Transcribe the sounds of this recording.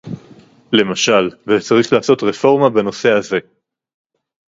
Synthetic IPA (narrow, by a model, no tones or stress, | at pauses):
le̞maʃalvet͡saʁiχlaːso̞t̪ʁefo̞ʁmabeno̞se̞aze̞